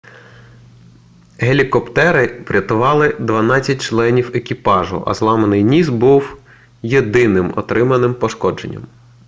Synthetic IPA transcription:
ɦelʲikɔpt̪ɛɾɪpɾʲɐt̪ʊʋɑlˠɪd̪ʋɐnɑt͡sʲːɐt̚ʲt͡ʃlˠɛnʲiwekʲipɑʒʊ̰ʔɐ̰zlˠɑmenɪjnʲisbuw | jed̪ɪnɪmɔ̰t̪ɾɪmɐnɪmpɔʃkɔd͡ʒḛnʲːɐ̰m

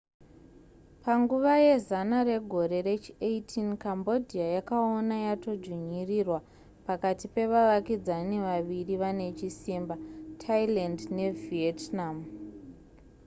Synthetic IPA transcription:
paŋɡuʋaje̞zanare̞ɡʱo̞ɾe̞re̞t͡ʃieitʰinkambo̞dʱiajakaonajato̞d͡ʒwiɲirirwa | pakatipe̞ʋaʋakid͡zaneʋaʋiriʋane̞t͡ʃisimbatʰailandne̞vietnam

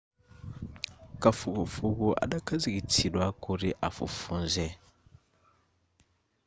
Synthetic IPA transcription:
kafukufukuʔa̰ɗakazikitidwakuɾiʔafṵfunzɛ

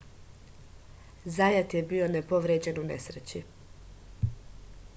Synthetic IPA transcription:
zajat̪jebio̞nepo̞ʋɾeːd͡ʑe̞nune̞sɾet͡ɕi

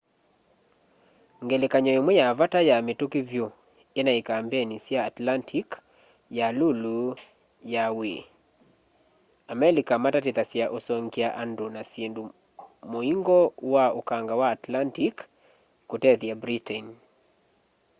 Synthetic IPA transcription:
ŋɡelekaɲɔemwejavatajametukivjo | enaikambenisjaːtlantʰik | jalulu | jawe | amɛlikamatatɪt̪asjaʔosɔŋkiaʔandonasjendu | moiŋɡɔwaokaŋɡawaːtlantikː | otɛðjabɾitɛn

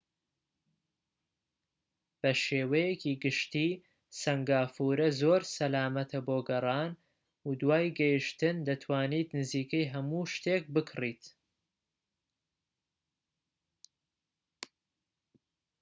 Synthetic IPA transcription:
b̥ɐʃeːwɐjekiːɡɨʃt̪iː | sɐŋɡaːfuːɾɐzoːɾsɐlaːmɐt̪ʰɐboːɡɐrˤɑːn | ud̪waːjɡɐjiʃt̪ɨnd̪ɐt̪ʰwaːniːt̪nɨziːkɐjɦɐmuʃt̪eːk̚bɨkʰriːt̪

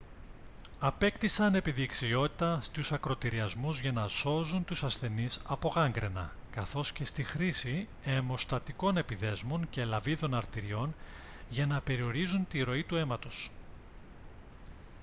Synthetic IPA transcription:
ɐpe̞kt̪isɐne̞piðiːksio̞t̪i̥t̪ɐst̪usɐkɾot̪iɾiɐzmuzʝɐnɐso̞zunt̪usɐsθe̞nisɐpo̞ɣɐŋɡɾḛnɐ̰ | kɐθo̞sce̞st̪ixɾisi | emo̞st̪ɐt̪iko̞ne̞piðe̞zmo̞nce̞lɐviðo̞nɐɾt̪iɾio̞n | ʝɐnɐpe̞ɾio̞ɾizunt̪iɾo̞it̪ue̞mɐt̪o̞s

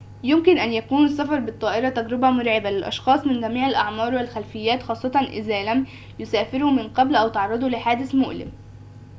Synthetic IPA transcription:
jʊmkɪnʔænjækuːnɪsːæfɑɾˤbɪt̪ˤːɑːʔɪɾɑt̪æɡɾɪbæmʊɾʕebælɪlʔɑ̰ʃxɑːsˤmɪnɡæmiːʕalʔɑʕmɑːɾˤwɪlxælfɪjːæːt̪xɑːsˤːɑt̪ˤɑnʔɪ̰zæːlæm | jʊsæːfɪɾumɪnqɑblʔæwt̪ɑʕɾˤːɑd̪ˤulɪħaːd̪ɪsmʊ̰ʔlɪ̰m

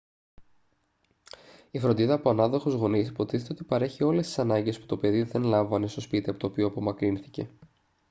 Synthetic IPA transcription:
ifɾo̞nd̪iðɐːpoɐnɐðo̞xo̞zɣo̞nisipo̞t̪i̥θet̪e̞o̞t̪ipɐɾe̞çio̞le̞st̪isɐnɐɲɟe̞spu̥t̪o̞pe̞ðiðe̞nlɐvɐne̞st̪o̞spit̪iɐpo̞t̪opio̞ɐpo̞mɐkɾinθice̞̰

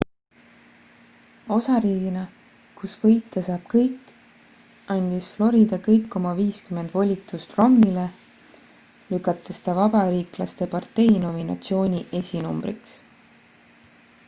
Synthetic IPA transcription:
o̞sɑɾiːɡinɑ | kusvɤjt̪ːˑesɑːb̥̚kɤjkːˑ | ɑnʲd̪̥isflo̞ɾid̪̥ɑkɤjkːo̞mɑviːskyme̞nd̪̥vo̞lʲit̪ˑust̪ro̞mnile̞ | lykːˑɑt̪ːˑe̞st̪ɑvɑbɑɾiːklɑst̪e̞pɑrt̪ːe̞jno̞minɑ̰t̪sio̞ːnʲiʔe̞sʲinumb̥ɾḭks

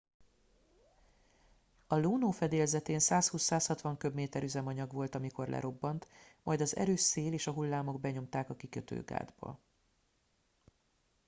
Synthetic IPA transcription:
ɒloːnoːfɛd̪eːlzɛt̪eːnsaːshuːsaːshɒt̪ʋɒŋkø̞bmeːt̪ɛɾyzɛmɒɲɒɡʋo̞lt̪ɒmiko̞rlʔɛ̰ɾo̞bːɒnt̪mɒjd̪ɒzɛ̰ɾøːʃseːleːʃɒɦulːaːmo̞ɡ̚bɛɲo̞mt̪aːkɒkikøt̪ø̰ːɡa̰ːd̪bɒ̰

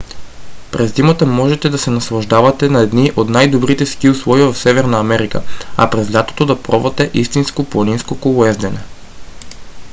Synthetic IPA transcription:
pɾɛzd̪imat̪amɔʒɛt̪ɛd̪asɛnaslˠaʒd̪avat̪ɛnaɛd̪niʔod̪najd̪obɾit̪ɛskiuslˠɔivafsɛvɛɾnaːmɛɾika̰a̰pɾɛzlʲat̪o̥t̪od̪apɾɔvat̪ɛʔist̪inskoponinskokolˠɛzd̪ɛnɛ

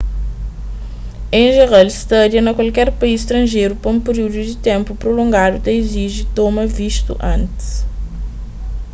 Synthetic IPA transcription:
ẽj̃ʒeʁalst̪ɐd̪iɐnɐkwalkɛɾpɐizʃt̪ɾɐ̃ʒejɾupɐũpeɾiud̪ud̪it̪ẽmpupɾolõŋɡad̪ut̪ɐ̃iziʒit̪omɐviʃt̪ṵʔɐ̃nt̪i̥s

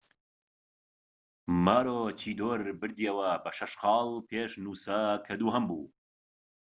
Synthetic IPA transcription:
maːɾoːt͡ʃʰiːd̪oːɾbɨɾd̪iɐwɐbɐʃɐʃqɑːlˠpʰeːʃnuːsɐkʰɐd̪uːɦɐmbuː

